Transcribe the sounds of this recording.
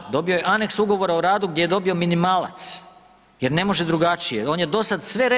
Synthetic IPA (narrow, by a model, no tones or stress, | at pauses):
d̪o̞bio̞jeʔane̞ksuɡo̞ʋo̞ɾaoɾaːd̪uɡd̪jejed̪o̞bio̞minimaːlˠa̰t̪s | jeɾne̞mo̞ʒe̞d̪ɾuɡat͡ʃijeo̞ːnjed̪o̞sad̪sʋe̞ɾe